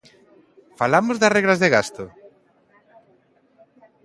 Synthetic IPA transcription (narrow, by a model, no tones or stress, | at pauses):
falamozðasreɣlazðeɣast̪o